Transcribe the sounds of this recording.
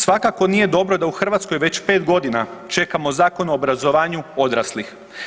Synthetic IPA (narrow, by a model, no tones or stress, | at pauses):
sʋakako̞nije̞d̪o̞bɾo̞d̪auxr̩ʋat̪sko̞jʋe̞t͡ɕpe̞ːt̪ɡo̞d̪inat͡ʃe̞kamo̞zaːko̞noːbɾazo̞ʋaːɲuo̞d̪ɾaslix